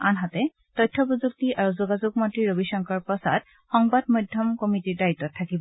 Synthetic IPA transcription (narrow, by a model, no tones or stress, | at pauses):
anɦatɛ | tɔjtʰːɔpozuk̚tiʔaɹuzuɡazuɡ̚matɹiɹobisɔŋkɔɹpɔsa̰d | xɔŋbadmɔjdʱːjɔmkomitiɹdaɹitːɔtʰːakibɔ